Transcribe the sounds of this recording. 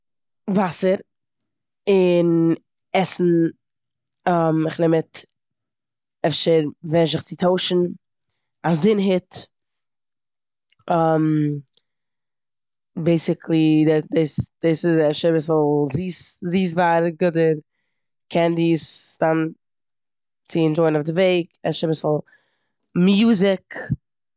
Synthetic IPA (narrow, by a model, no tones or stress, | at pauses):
vasəɾ | ɪn | ɛsn̩ | əmɪχnɛmət | ɛfʃəɾvɛʃɪχt͡sɪtʰoʊʃn̩ | azɪnɦɪt | əm | beɪsɪkʰlˠiddesd̥eːsɪzɛfʃəɾabɪsl̩ˠziːsziːs̬vaːɾɡʊdəɾ | kʰɛndistan | t͡sɪɪntɾoɪnʊfdɪveɪɡɛ̰fʃəɾabɪsl̩ˠ | mjuːzɪk